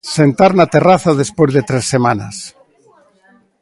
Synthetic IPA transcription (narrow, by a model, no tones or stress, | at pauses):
sent̪aɾnat̪eraθaðespozðet̪ɾesːemana̰s